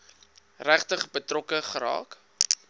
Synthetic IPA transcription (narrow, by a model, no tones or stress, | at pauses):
ræχtəχbətrɔkəχəɾɑ̰ːk